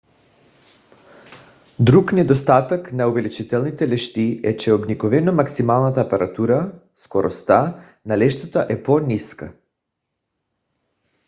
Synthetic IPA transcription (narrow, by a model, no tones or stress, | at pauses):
d̪ɾuknɛd̪ɔst̪at̪aknauvɛlit͡ʃit̪ɛlˠnit̪ɛlɛʃt̪iɛt͡ʃɛɔbnikɔvɛnomaksimalˠnat̪apaɾat̪uɾa | skɔɾɔst̪a | nalɛʃt̪at̪aʔɛpɔniska̰